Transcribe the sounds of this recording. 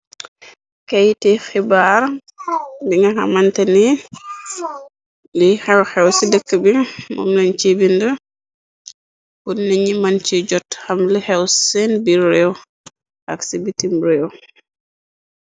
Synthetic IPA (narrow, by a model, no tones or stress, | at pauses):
kajtixibaɾ | biŋɡɐxa̰mantɐni | lixɛwxɛwsidəkːəbimṵmlɐnt͡ʃibində | punniɲimant͡ʃiɟɔtxamlixɛwsɛnbiɾɛw | ʔaksibitimɾɛw